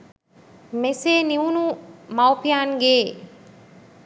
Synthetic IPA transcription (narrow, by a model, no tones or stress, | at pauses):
meseːniʋunumawpijaːnɡeː